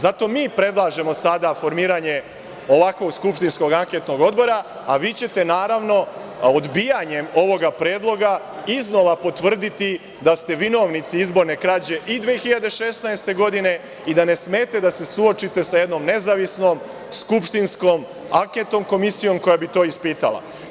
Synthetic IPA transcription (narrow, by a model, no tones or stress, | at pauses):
zat̪o̞ːmiːpɾe̞d̪lˠaːʒe̞mosad̪afo̞ɾmiːɾaɲe̞ | o̞ʋakʋo̞ɡskupʃt̪insko̞ɡaŋke̞t̪no̞ɡo̞d̪bo̞ɾaː | ʋiːt͡ɕe̞t̪e̞naːɾaʋno̞od̪bijaɲe̞mo̞ʋo̞ɡapɾe̞ːd̪lˠo̞ɡa | izno̞ʋapo̞t̪ʋr̩d̪it̪i | d̪ast̪e̞ʋino̞ʋnit̪siizbo̞ɾne̞kɾad͡ʑe̞ʔid̪ʋeexiʎad̪e̞ʃe̞snaest̪e̞ɡo̞d̪ine̞ | id̪ane̞sme̞ːt̪e̞d̪ase̞suo̞t͡ʃit̪e̞sajed̪no̞ːmne̞zaʋisno̞ːm | skupʃt̪insko̞m | aŋke̞t̪o̞mko̞misijo̞mko̞jabit̪o̞ːispiːt̪a̰la̰